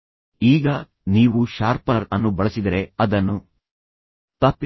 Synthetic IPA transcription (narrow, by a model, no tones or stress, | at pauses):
iːɡɐ | niːʋuʃaːɾpɐnɐɾɐnːubɐɭɐsid̪ɐɾe̞ɐd̪ɐnːu | t̪ɐpː